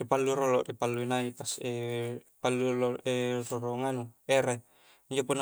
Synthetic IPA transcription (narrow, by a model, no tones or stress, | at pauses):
ipalːuɾolɔʔdipalːuinait̪asepalːulɔʔɛrɔɾɔŋanuɛɾe | iɲd͡ʒopun